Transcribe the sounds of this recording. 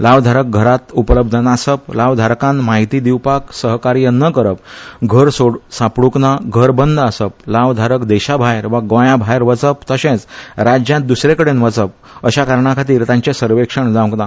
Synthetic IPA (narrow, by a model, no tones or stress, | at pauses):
laʋd̪ʱaɾək̚ɡʱəɾat̪upələb̚d̪ʱənasəplaʋd̪ʱaɾkãnmaɦit̪iːd̪iwpaksəɦkaɾijənəkəɾəp̚ɡʱəɾsoɽsapɽuknaɡʱəɾbənd̪ʱasəp̚laʋd̪ʱaɾəkd̪ɛɕabʱajɾʋaɡʋə̃jabʱajɾʋət͡səpt̪əsẽt͡sɾad͡ʑjãt̪̚d̪usɾekəɽenʋət͡səp̚ | əɕakaɾɳakʰat̪iːɾt̪jãɲt͡ɕesəɾʋekʂəɳd͡zãʋ̃knã